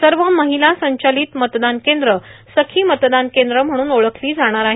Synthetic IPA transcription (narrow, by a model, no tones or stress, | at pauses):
səɾʋəməɦilasəɲt͡ɕaliːt̪mət̪d̪ankend̪ɾəsəkʰiːmət̪d̪ankẽnd̪ɾəm̤əɽ̃uːnoɭəkʰliːd͡zaɽ̃aɾaɦi